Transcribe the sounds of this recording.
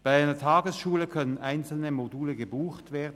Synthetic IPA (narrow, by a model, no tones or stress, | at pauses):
b̥aɪaɪnɐtʰɑːɡəsʃuːləkʰœnənʔaɪnt͡sl̩nəmoduːləɡəbuːxtv̥eːɐdn̩